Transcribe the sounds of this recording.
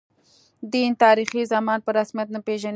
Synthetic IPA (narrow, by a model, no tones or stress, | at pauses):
d̪int̪ɑɾixizamɑnpəɾasmijat̪̚napeʒan